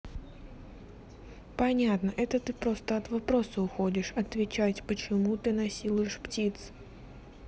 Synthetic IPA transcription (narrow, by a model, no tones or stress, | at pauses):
pɐnʲat̪nəʔɛt̪ət̪ɨpɾo̞st̪əɐt̪vɐpɾo̞səʊxo̞dʲɪʂɐt̪vʲɪt͡ɕatʲpət͡ɕɪmut̪ɨnɐsʲilˠʊjɪʂptʲit̪s